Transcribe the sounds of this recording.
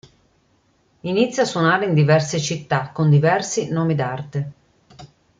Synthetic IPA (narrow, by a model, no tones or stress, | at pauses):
init̪sːjoasːwonaːɾeind̪ivɛrset͡ʃit̪ːakːond̪ivɛrsinɔːmid̪art̪e